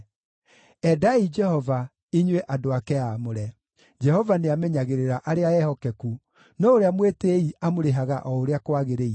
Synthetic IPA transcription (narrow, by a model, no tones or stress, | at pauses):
ɛdaid͡ʒɛhɔva | iɲwɛʔadoakɛamoɾɛ | d͡ʒɛhɔvaneamɛɲaɣeɾeɾaʔaɾeaɛhɔkɛku | nɔoɾeamweteiʔamoɾeɦaɣaʔɔoɾeakwaɣeɾei